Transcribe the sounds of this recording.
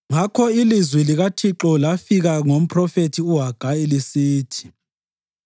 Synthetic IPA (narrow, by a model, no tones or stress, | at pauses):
ŋakʰɔilizwiliɣatʰiǁɔlafiɣaŋom̩pʰʼrɔfetʰiuɦaɡ̥ʱaelisiːtʰi̥